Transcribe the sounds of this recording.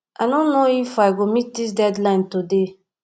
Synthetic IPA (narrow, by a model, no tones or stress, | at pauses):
ʔadõnːoifaɪɡomit̚dis̬dɛdlãɪ̃ntude